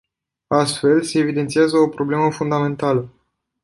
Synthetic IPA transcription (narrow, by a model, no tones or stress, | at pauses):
ast̪fe̞lse̞ːvid̪e̞nt̪siazəopɾo̞ble̞məfund̪amẽ̞nt̪alə